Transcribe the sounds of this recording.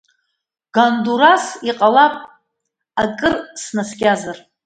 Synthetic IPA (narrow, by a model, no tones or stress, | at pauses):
ɡ̥anduɾasiqʼalapʼ | akʼɨrsnasɡʲazar